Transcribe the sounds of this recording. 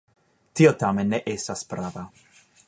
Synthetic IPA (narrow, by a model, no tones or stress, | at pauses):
tiot̪amenːeʔestaspɾaːva